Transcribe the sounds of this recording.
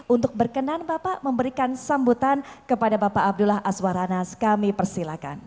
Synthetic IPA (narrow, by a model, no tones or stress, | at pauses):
unt̪ʊk̚bərkənanbapaʔməmbəɾikansambut̪ankəpadabapaʔab̚dulaɦʔaswaɾanaskamipərsilaka̰n